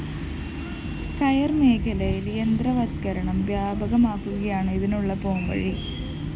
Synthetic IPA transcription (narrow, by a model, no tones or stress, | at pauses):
kɐjɐrmeːkʰɐlɐjilend̪rɐʋɐt̪kɐɾɐɳɐmʋjaːbʱɐɣɐmaːkːuɣɐjaːɳɨiðinuɭːɐpoːmʋɐ̰ɻi